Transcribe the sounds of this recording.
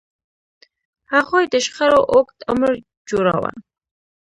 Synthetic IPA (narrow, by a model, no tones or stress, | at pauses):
haɣojd̪əʃχaɾoʔokt̪ʊməɾ | d͡ʒuɾɑ̰wa̰n